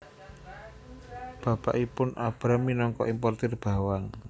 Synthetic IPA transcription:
b̥a̤pa̰ʔipʊnab̥ɾamːinɔŋkɔ̰ʔimpɔrt̪ɪrb̥a̤waŋ

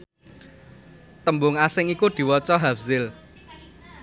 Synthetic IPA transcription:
t̪əmbʊŋasɪŋikud̪̥i̤wɔt͡ʃɔɦafzɪl

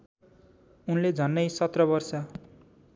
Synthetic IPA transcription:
unled͡zʱʌnːʌjsʌt̪rʌbʌrsʌ

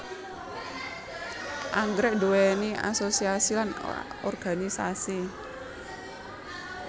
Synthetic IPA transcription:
ʔaŋɡɾɛʔ̚duwenia̰sosiasilan | ɔ̰rɡ̥a̤nisasi

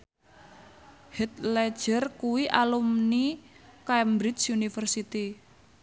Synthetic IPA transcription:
hɛt̪̚lɛ̥ʒ̥ərkuwiʔalumnikambɾɪsunifərsit̪i

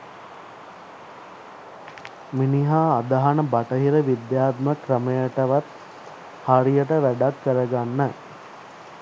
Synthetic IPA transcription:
miniɦaːd̪aɦanəbaʈəɦiɾəʋid̪jaːt̪məkɾəməjəʈəʋat̪ | haɾijəʈəʋæɖakːəɾəɡanːə

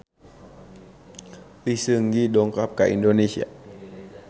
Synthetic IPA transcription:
lisəŋɡidɔŋkap̚kaḭndonesia̰

